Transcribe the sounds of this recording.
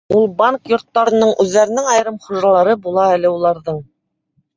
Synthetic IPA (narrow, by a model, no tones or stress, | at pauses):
ulˠbaŋkjŏɾt̪ːɑɾɤ̆nɤɴʔʉðːæɾɘ̆nɘŋɑjɾɤmχŭʒɑlˠɑɾɤbulˠɑælɘulˠɑɾðɤɴ